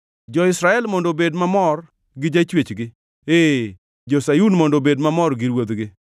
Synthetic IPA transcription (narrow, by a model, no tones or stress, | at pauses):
d͡ʒɔɪsɾaɛlmɔndobedmamɔr | ɡɪd͡ʒait͡ʃwet͡ʃɡɪ | e | d͡ʒosajunmɔndobedmamɔrɡɪɾwod̪ɡɪ